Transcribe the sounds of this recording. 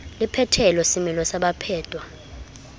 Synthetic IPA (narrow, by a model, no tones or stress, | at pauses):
lipʰɛtʰɛlɛsimilɔsaɓapʰɛːdʼʱwa